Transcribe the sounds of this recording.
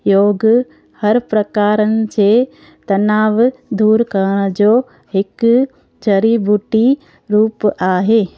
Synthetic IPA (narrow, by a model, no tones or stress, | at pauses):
joːɡ | hɐɾpɾɐkaːɾənɪ̆d͡ʑeː | t̪ɐnaːʋd̪uːɾkɐɾəɽ̃əd͡ʑoː | ɦɪk | d͡ʒɐɾibʱuʈi | ɾuːpaːɦeː